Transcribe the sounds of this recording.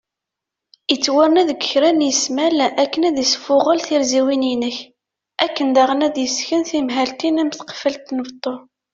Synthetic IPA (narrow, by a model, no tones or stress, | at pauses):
ət͡sːwəɾnæðəɡə̥çɾænjəsmælʔækːənæðisfʊʁəlθiɾziwininəç | ækːənd̪æʁənæd̪jəsçənθimɦælt̪inæmθqfəlt̪ːnəvt̪ˤːo